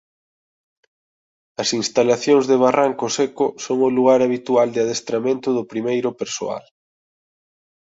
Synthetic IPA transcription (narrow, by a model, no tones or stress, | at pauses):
ɐsinst̪alaθjoŋzðeβaraŋkʊsekʊsoŋʊluɣaɾaβ̞it̪uald̪ɪað̞est̪ɾamẽnt̪ʊðʊpɾimejɾʊpeɾso̰a̰l